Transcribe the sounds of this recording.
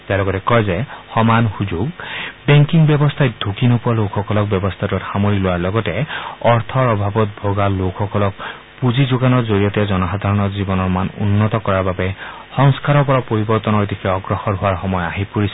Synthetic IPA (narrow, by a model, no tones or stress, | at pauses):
tealɔɡɔtɛkɔjzɛxɔmanxuzuɡbɛŋkiŋbjɔbɔst̪ʰaj̚d̪ʱukinopʊalokʰːɔkɔlɔk̚bjɔbɔst̪ʰatuxamoɹilowaɹlɔɡɔtɛɔɹt̪ʰɔɹɔbʱabɔt̚bʱoɡalokʰxɔkɔlɔk̚ | puzizoɡanɔɹzoɹijɔtjazɔnɔxad̪ʱaɹɔnɔzibɔnɔɹmanṵnːɔtɔkɔɹaɹbabɛ | xɔŋskaɹɔɹpɔɹapoɹibɔɹt̪ɔnɔetikʰɛɔɡɹɔxɔɹɦʊaɹxɔmɔjaɦipuɹisɔ